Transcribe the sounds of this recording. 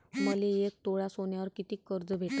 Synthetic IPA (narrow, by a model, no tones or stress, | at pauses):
məleek̚t̪oɭasoɳjaʋəɾkit̪iːkːəɾd͡zəbʱeʈ